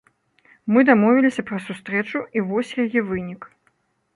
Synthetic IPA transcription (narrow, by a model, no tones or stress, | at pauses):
mɨd̪amɔvʲilʲisʲɐpɾɐsust̪ɾɛt͡ʂuivɔsʲjajɛvɨnʲik